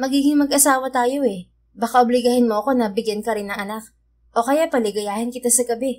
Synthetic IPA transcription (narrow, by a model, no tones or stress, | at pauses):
mɐɡiːɡɪŋmɐɡʔɐsaːwɐt̪aːjo̞ʔɛ | bakaʔʊblɪɡɐhɪnmo̞ʔɐko̞nɐbɪɡjankɐɾɪnːɐŋʔɐnak̚ | ʔo̞kɐjapɐlɪɡɐjaːhɪnkɪt̪asɐɡɐbɛ